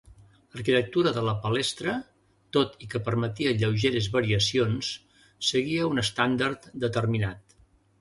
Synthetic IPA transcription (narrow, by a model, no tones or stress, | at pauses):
lərkit̪ək̚t̪uɾəðələpəlɛst̪ɾə | t̪ot̪ikəpəɾmət̪iəʎəwʒeɾezβəɾiəsionsː | əɣiəunəst̪and̪ərt̪d̪ət̪ərminat̪